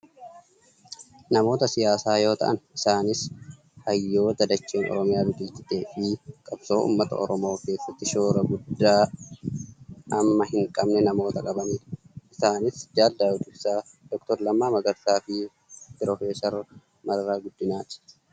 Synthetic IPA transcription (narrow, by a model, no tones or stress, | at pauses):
nɐmo̞ːt̪ɐsɪjaːsaːjo̞ːt̪ɐ̰ʔɐnɪsaːnɪs | hɐjːo̞ːd̪ɐd̪ɐt͡ʃːe̞ːnʔɔ̰ɾɔmɪjaːbɪk̪ʼɪlt̪ɪt̪e̞ːfɪkʼɐbso̞ːʔṵːmːɐt̪ɐ̰ɔ̰ɾɔmo̞ːke̞ːsːɐt̪ːɪʃo̞ːɾɐɡʊd̪ːaː | ɐmːɐɦɪŋkʼɐbnɛnɐmo̞ːt̪ɐkʼɐbɐmɪʔɪsaːnɪsd͡ʒaːld̪aːwʊd̪ɪbsaː | d̪̥ɔkt̪ɔɾlɐmːaːmɐɡɐɾt̪aːfɪ | pɪɾɔfeːsɐɾ | mɐrːaːɡʊd̪ːɪnaːt̪ɪ̥